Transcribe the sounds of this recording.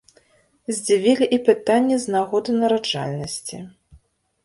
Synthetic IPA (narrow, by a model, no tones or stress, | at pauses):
zʲd͡zʲivʲilʲiʔipɨt̪anʲːɛznaɣɔd̪ɨnɐɾad͡ʐa̰lʲnɐsʲt͡sʲḭ